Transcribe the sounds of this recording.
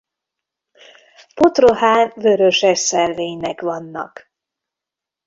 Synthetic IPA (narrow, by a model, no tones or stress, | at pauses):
po̞t̪roɦaːnvøɾøʃɛʃsɛlːeːɲnɛkʋɒnːɒ̰k